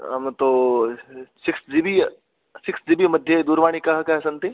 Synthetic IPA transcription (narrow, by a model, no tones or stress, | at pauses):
ɦɐmt̪o | sɪksd͡ʒibi | sɪksd͡ʒibimɐd̪ʱjed̪uːɾʋaːɽ̃ikɐɦkɐɦɛsɐ̃nt̪i